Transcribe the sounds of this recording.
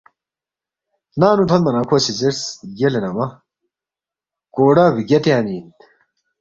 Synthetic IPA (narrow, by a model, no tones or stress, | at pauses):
naːnut̪ʰɐnmɐnakʰoːsizesjelenɐmɐ | koːɽɐβiɡet̪jaːniːnt̪